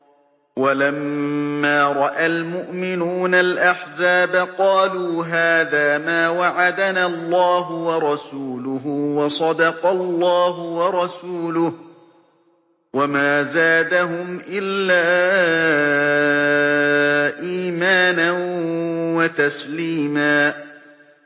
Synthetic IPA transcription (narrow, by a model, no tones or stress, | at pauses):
walamːaːɾˤɑʔalmʊʔmɪnuːnalʔaħzaːbaqɑːluːɦaːðaːmaːwaʕad̪anaːlˤːɑːɦʊwɑɾˤɑsuːlʊɦʊwɑsˤɑd̪ɑqɑlˤːɑːɦʊwɑɾˤɑsuːlʊh | wamaːzaːd̪aɦʊmʔɪlːaː | ʔiːmaːnan | wat̪asliːmaː